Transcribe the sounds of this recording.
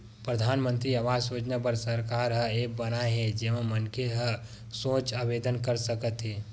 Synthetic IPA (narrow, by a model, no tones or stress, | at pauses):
pɾəd̪ʱaːnmə̃nt̪ɾiəʋaːzoːd͡ʒnapəɾsəɾkaːɾɦə̃eːk̚bənaeɦɛ̃d͡ʒemə̃mənkeɦə̃ | sõːt͡ʃaːbeːd̪ənkəɾsəkət̪ɦeː